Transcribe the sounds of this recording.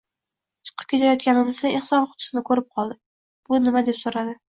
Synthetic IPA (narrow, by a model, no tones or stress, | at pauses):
t͡ʃʰɨ̥qʰɨ̥p̚kʲʰe̞t̪ʰajɒt̪̚kʲanɪmɪzaeχsɒnχʊ̥t̪ʰʊ̥sɪnɪkʰɵɾɪp̚qʰɒlˠd̪ɪ | b̥ʊnɪmad̪e̞psoɾad̪ɪ